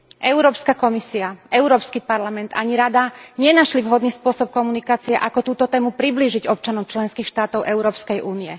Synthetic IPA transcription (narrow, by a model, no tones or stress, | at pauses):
ʔɛʊɾɔːpskakɔmisiaʔɛʊɾɔːpskipaɾlamɛnd̪t̪aɲiɾad̪aɲɪɛnaʃlivɦɔd̪niːspʊɔsɔp̚kɔmunikaːt͡siɛʔakɔt̪uːt̪ɔt̪ɛːmupɾibliːʒiɟɔp̚t͡ʃanɔʊt͡ʃlɛnskiːxʃt̪aːt̪ɔʊʔɛʊɾɔːpskɛjʔuːniɛ